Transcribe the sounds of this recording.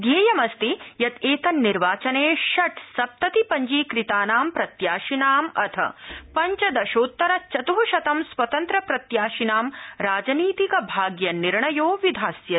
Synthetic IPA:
ɡ̪eːjɐmɐst̪ijɐt̪eːt̪ɐnːiɾʋaːt͡ʃɐneːʃɐʈsɐp̚t̪ɐt̪ipɐɲd͡ʒiːkɾit̪aːnaːmpɾɐt̪jaːʃinaːmɐt̪ʰɐ̰pɐɲt͡ʃɐd̪ɐʃoːt̪ːɐɾɐt͡ʃɐt̪uɦuʃɐt̪ɐmswɐt̪ɐnt̪ɾɐpɾɐt̪jaːʃinaːmɾaːd͡ʒɐniːt̪ikɐbʱaːɡjɐniɾɳɐjoːʋid̪ʱaːsjɐ

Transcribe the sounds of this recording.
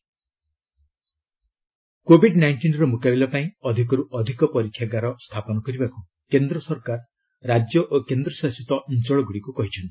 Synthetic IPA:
kobʱiɖnajɳʈinɾɔmukabilɔpaĩɔd̪ʱikɔɾuʔɔd̪ʱikɔpɔɾikʰːjaɡaɾɔst̪ʰapɔnɔkɔɾibaku | kend̪ɾɔsɔɾkaɾː | ad͡ʒjɔʔokend̪ɾɔsasit̪ɔʔint͡ʃɔɭɔɡuɽikukɔɦit͡ʃʰɔnt̪i̥

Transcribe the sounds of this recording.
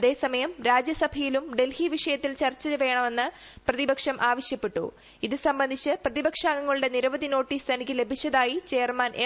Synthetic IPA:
ɐðe̞ːsɐmɐjɐmɾaːd͡ʑjɐsɐbʱɐjilumɖe̞lhiʋiʂɐjɐt̪ːilt͡ɕɐrt͡ɕːɐjɐʋe̞ːɳɐme̞nːɨ | prɐðibɐkʂɐmʔaːʋɐɕjɐpːeʈːṵ | iðɨsɐmbɐnd̪ʱit͡ɕːɨprɐðibɐkʂaːŋɡɐŋːɐɭuɽe̞niɾɐʋɐðʱino̞ːʈːiːst̪ʰɐnikʲːɨle̞bʱit͡ɕːɐðaːjit͡ɕe̞ːrmanʔe

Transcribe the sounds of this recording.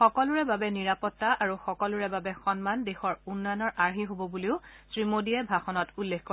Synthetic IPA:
xɔkɔlʊɹɛbabɛniɹapɔtːaʔaɹuxɔkɔluɹɛbabɛxɔnmandexɔɹunːɔjɔnɔɹʔaɹɦiɦobɔbuliʊsɹimodiɛbʱaxɔnɔtulːexkɔ

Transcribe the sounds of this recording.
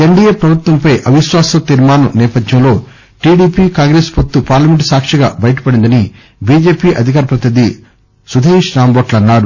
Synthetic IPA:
eɳɖieːpɾɐbʱut̪ʋɐmpɐjʔɐʋiʃʋaːsɐt̪iɾmaːnɐnɛːpɐd̪jɐmlo̞ː | ʈiːɖiːpiːkaːŋɡɾespot̪ːupaːɾlɐmeɳʈsaːkʂɐɡa̰ːbɐjɐʈ̬ɐ̥pɐɽind̪ɐni | biːd͡ʒe̞ːpiːʔɐd̪ʱik̬aːɾɐpɾɐt̪id̪i | sud̪ʱeːʃɾaːmboʈlɐnːaːɾu

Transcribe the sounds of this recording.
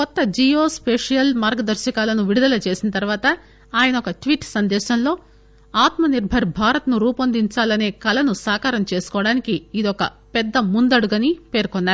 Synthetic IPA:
kɔt̪ːɐd͡ʒijo̞ːspeːʂijɐlmaːɾɡɐd̪ɐɾʃɐkaːlɐnuʋiɽud̪ɐlɐt͡ʃe̞ːsinɐt̪ɐɾʋaːt̪ɐ | aːjɐnɐɔkɐʈʋiːʈsɐnd̪ɛːʃɐnlo̞ː | aːt̪mɐniɾbʱɐɾbʱaːɾɐt̪ɐnuɾuːpɐnd̪iɲt͡ʃaːlɐne̞ːkɐlɐnusaːkaːɾɐmt͡ʃe̞ːsu̥kɔːɐɽaːnikiːd̪ɔkɐ | pɛd̪ːɐmund̪ɐɽuɡɐnipe̞ːɾkɔnːaːɾu

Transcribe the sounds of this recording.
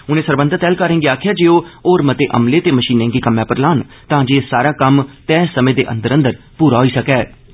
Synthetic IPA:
ʊnẽːsəɾbə̃nd̪ət̪ɛːlkəɾẽːɡeaːkʰjaːd͡ʒeːoːoːɾmət̪eːʔə̰mleːt̪eːməʃiːnẽːɡiːkəmjãːpəɾlaːn | t̪ãːd͡ʒeːsaːɾaːkəmt̪ɛːsəmẽːd̪ḛːʔə̰nd̪əɾənd̪əɾ | puːɾaːɦoːiːsəkɛː

